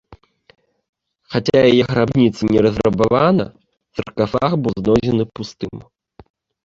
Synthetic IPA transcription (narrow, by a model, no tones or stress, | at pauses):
xatʲajɛjɐxɾabnʲit̪sɨnʲɛɾɐzrɐbɐvanɐ̰ | t͡sɐrkɐfaxbɨznɔd͡ʑʲɪnɨpust̪ɨm